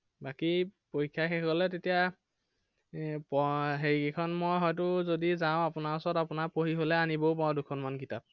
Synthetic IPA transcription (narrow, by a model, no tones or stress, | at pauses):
bakipojkʰːjaxekɔlɛtetija | pɔɦeɹikekʰɔnmojɦɔjtʊzodizawʊ̃apʊnaɔsɔtapʊnaɹpoɦiɦolɛaniboʊpaɔdukʰɔnmankitap̚